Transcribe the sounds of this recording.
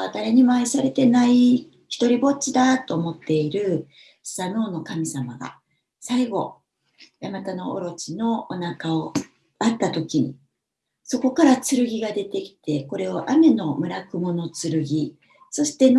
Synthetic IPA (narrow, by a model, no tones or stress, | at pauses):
at̪aɾeɲ̟imaisaɾe̞t̪e̞nai | çʲi̥t̪o̞ɾʲibo̞t͡ɕid̪at̪ːo̞ːmo̞t̪ːe̞iɾɯ̟̥ | sano̞ːno̞kamʲisamaɡa̰ | saiɡo̞ | jamat̪ano̞ʔo̰ɾo̞t͡ɕino̞onakao̞ | at̪ːat̪o̞kʲiɲ̟i | so̞ko̞kaɾat͡sɨɾɯ̟ɡʲiɡad̪e̞t̪e̞kʲi̥t̪e̞ko̞ɾe̞o̞ʔame̞no̞mɯ̟ɾakɯ̟mo̞no̞t͡sɨɾɯ̟ɡʲi | so̞ɕi̥t̪e̞n